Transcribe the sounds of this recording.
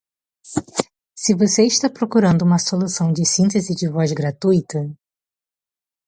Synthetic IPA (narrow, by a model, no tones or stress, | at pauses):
sɪvoseɪʃt̪apɾokuɾɐ̃nd̪ʊũmɐsolusɐ̃w̃d͡ʒɪsĩnt̪ezɪd͡ʒɪvɔzɡɾat̪ujt̪ɐ